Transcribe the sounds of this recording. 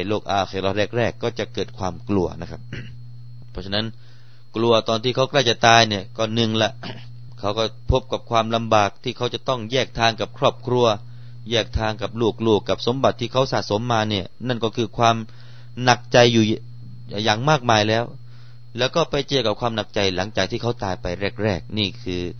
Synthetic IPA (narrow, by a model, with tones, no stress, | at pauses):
loː˥˩k̚ʔaː˧˩kʰa˨˩lɔː˧ɾɛː˥˩k̚ɾɛː˥˩kːɔː˥˩t͡ɕa˨˩kɤː˨˩t̪̚kʰwaː˧mklu˧ɐna˦˥kʰa˦˥p̚ | pʰɔ˦˥t͡ɕʰa˧na˦˥n | klu˧ɐt̪ɔː˧nt̪ʰiː˥˩kʰa˦˥wkla˥˩jt͡ɕa˨˩t̪aː˧jni˥˩ɐkɔː˧˩nɯ˨˧ŋlɛ˧˥ʔ | kʰa˦˥wkɔː˥˩pʰo˦˥p̚ka˨˩p̚kʰwaː˧mla˧mbaː˨˩k̚t̪ʰiː˥˩kʰa˦˥wt͡ɕa˨˩t̪ɔ˥˩ŋjɛː˥˩k̚t̪ʰaː˧ŋka˨˩p̚kʰɾɔː˥˩p̚kʰɾu˧ɐ | jɛː˥˩k̚t̪ʰaː˧ŋka˨˩p̚luː˥˩k̚luː˥˩kːa˨˩p̚so˨˩˦mba˨˩t̪ʰːiː˥˩kʰa˦˥wsa̰ː˨˩t̪̚so˩˦mːaː˧ni˥˩ɐna˥˩nkɔː˥˩kʰɯː˧kʰwaː˧m | na˨˩k̚t͡ɕa˧jːuː˨˩˨ | jaː˨˩ŋmaː˥˩k̚maː˧jlɛː˦˥w | lɛː˦˥wkɔː˥˩pa˧jt͡ɕɯ˧əka˨˩kʰwaː˧mna˨˩k̚t͡ɕa˧jla˩˦ŋt͡ɕaː˨˩k̚t̪ʰiː˥˩kʰa˦˥wt̪aː˧jpa˧jɾɛː˥˩k̚ɾɛː˥˩k̚niː˥˩kʰɯː˧